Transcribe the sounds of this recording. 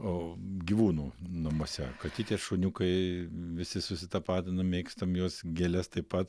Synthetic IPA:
oːɡʲiʋuːnuːnɐmoːsʲɛkɐtʲit̪ʲiɛʃʊːnʲuːkɐɪʋʲɪsʲɪsʊsʲɪt̪ɐpɑːt̪ʲɪnɐmmʲeːkst̪ɐmjoːsɡʲeːlʲɛst̪ɐɪpɐt̪

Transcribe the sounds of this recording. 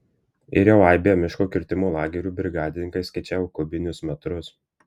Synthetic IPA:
ɪɾʲjɛʊɑɪbʲejoːmʲɪʃkoːkʲɪɾʲt̪ʲɪmoːlˠɑːɡʲɛɾʲuːbʲɾʲɪɡɑːd̪ʲɪnʲɪŋkɐɪsʲkɐɪt͡ʃʲæːʋʊkʊbʲɪnʲʊsmʲɛt̪ɾʊs

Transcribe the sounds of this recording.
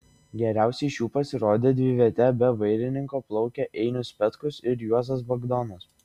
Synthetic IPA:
ɡʲɛɾʲæˑʊsʲɛɪʃjuːpɐsʲɪɾoːd̪ʲeːd̪ʲʋʲɪʋʲiɛt̪ʲɛbʲɛʋɐɪɾʲɪnʲɪŋkoːplˠɒʊkʲɛʔɛɪnʲʊspʲɛt̪kʊsɪɾjuɔzɐsbɐɡd̪ɔnɐs

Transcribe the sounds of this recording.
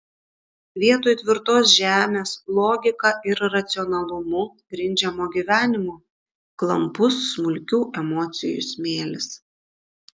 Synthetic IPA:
ʋʲiɛt̪oːjt̪ʲʋʲɪɾt̪oːsʒʲæːmʲeːslˠɔːɡʲɪkɑʔɪɾɾɐt̪sʲɪɔnɐlˠʊmʊ | ɡɾʲɪnʲd͡ʒʲɛmoːɡʲiʋʲæːnʲɪmoː | klˠɐmpʊsːmʊlʲkʲuːʔɛmɔːt̪sʲɪjʊ̰sʲmʲeːlʲɪs

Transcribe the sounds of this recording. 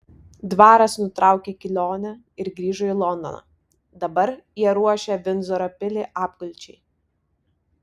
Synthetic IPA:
d̪ʋɑːɾɐsnʊt̪ɾɑˑʊkʲekʲɪlʲoːnʲɛ | ɪɾɡɾʲiːʒɔilˠɔnd̪ɔ̰nɑ̰ː | d̪ɐbɐɾjiɛɾuɔʃʲɛʋʲɪnzɔɾɐpʲɪlʲeʔɑːpkʊlʲˑt͡ʃʲɛɪ

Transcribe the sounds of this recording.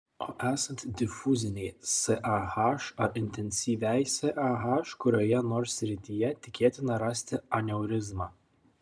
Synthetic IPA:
oːʔæːsɐnʲt̪ʲd̪ʲɪfʊzʲɪnʲɛɪsɛʔɑhɑʃɐʔɪnʲt̪ʲɛnʲsʲiːʋʲæˑjsɛʔɐɦɑʃkʊɾʲoːjɛnoːɾsʲɾʲɪt̪ʲijɛt̪ʲɪkʲeːt̪ʲɪnɐɾɑsʲt̪ʲɪɐnʲɛʊɾʲɪzmɑː

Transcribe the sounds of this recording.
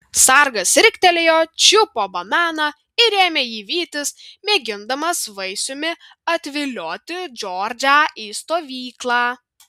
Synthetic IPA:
sɐɾɡɐsɾʲɪkʲt̪ʲɛlʲejoːt͡ʃʲʊpoːbɐmæːnɐ | ɪɾʲeːmʲeːjiːʋʲiːt̪ʲɪsmʲeːɡʲɪnd̪ɐmɐsʋɐɪsʲʊmʲɪ | ɐt̪ʲʋʲɪlʲoːt̪ʲɪd͡ʒʲɔːɾʲd͡ʒʲaiːst̪oːʋʲiːklˠɑː

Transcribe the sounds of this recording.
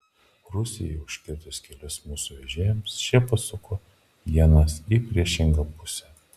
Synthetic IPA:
ɾʊsʲɪjɛʊʃʲkʲɪɾʲt̪ʲʊskʲɛlʲʊsmuːsuʋʲɛʒʲeːjɛmsʃʲɛpɐsʊkʰo | jʲiɛnɐsipʲɾʲiɛʃʲɪŋɡɐpʊsʲɛ

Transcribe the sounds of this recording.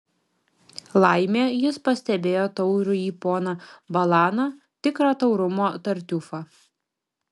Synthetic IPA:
lˠɑɪmʲeːjɪspɐsʲt̪ʲɛbʲeːjoːt̪ɔʊɾʊiːpoːnɐbɐlˠɑːnɐ | t̪ʲɪkɾɐːt̪ɒʊɾʊmoːt̪ɐɾʲt̪ʲʊfɑ

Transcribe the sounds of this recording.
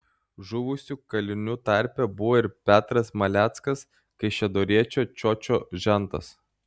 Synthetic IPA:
ʒʊʋʊsʲuːkɐlʲɪnʲut̪ɑˑɾʲpʲɛbʊʋoːɪɾpʲæːt̪ɾɐsmɐlʲæːt̪skɐs | kɐɪʃʲɛd̪oːɾʲiɛt͡ʃʲoːt͡ʃʲɔt͡ʃʲoːʒʲɛnt̪ɐ̰s

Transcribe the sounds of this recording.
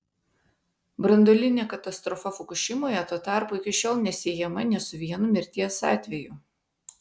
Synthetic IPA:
bɾɐnd̪oːlʲɪnʲeːkɐt̪ɐst̪ɾɔfɐfɔkʊʃʲɪmoːjɛt̪uɔt̪ɑˑɾpuɪkʲɪʃʲoːlˠnʲɛsʲeːjɛmɐnʲɛsʊʋʲiɛnumʲɪɾʲt̪ʲiɛsɑ̰ːt̪ʲʋʲɛjʊ

